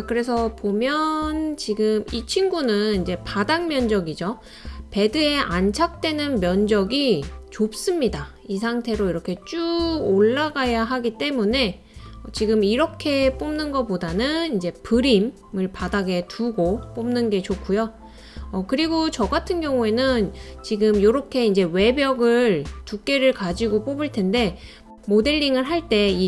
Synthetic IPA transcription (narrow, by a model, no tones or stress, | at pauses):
akɯɾe̞sʰʌpomjʌnt͡ɕiɡɯmit͡ɕʰinɡunɯnind͡ʑe̞padaŋmjʌnd͡ʑʌɡid͡ʑo | pe̞dɯe̞ʔant͡ɕʰak̚t͈we̞nɯnmjʌnd͡ʑʌɡit͡ɕop̚s͈ɯmɲida | is̬ʰaŋtʰe̞ɾoiɾʌkʰe̞t͡ɕ͈uoɭːaɡajaɦaɡit͈e̞mune̞ | ʌt͡ɕiɡɯmiɾʌkʰe̞p͈omnɯnɡʌp͈odanɯnind͡ʑe̞pɯɾim | ɯɭpadaɡe̞tʰuɡop͈omnɯnɡe̞t͡ɕok͈ʰːujo | ʌkɯɾiɡot͡ɕʌɡatʰɯnɡjʌŋue̞nɯnt͡ɕiɡɯmjoɾʌkʰe̞ind͡ʑe̞we̞bjʌɡɯɭtuk̚k͈e̞ɾɯɭkad͡ʑiɡop͈obɯɭtʰe̞nde̞ | mode̞ʎːiŋɯɭɦaɭt͈e̞i